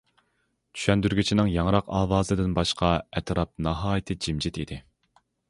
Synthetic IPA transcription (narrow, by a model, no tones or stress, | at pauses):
t͡ʃ̪ʰy̥ʃɛnd̪yɾɡʲyt͡ʃʰinɪŋjɑŋɾɑqɑːwɑːzɨd̪ɪnbɑʃqʰɑɛt̪ʰɾɑp̚nɑɦɑːjit̪ʰɨd͡ʒimd͡ʒit̪id̪ɪ